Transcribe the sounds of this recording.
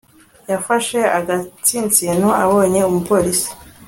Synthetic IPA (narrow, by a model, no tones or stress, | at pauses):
jafaʃe̞aɡat͡siːnt͡sinoaβo̞ːɲe̞umupo̞ːɾisi̥